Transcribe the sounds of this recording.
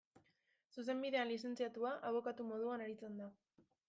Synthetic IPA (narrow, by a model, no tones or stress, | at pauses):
sus̬e̞mbiðe̞anlise̞nt͡siat̪uaʔaβ̞o̞kat̪umo̞ðuanaɾit͡se̞nd̪a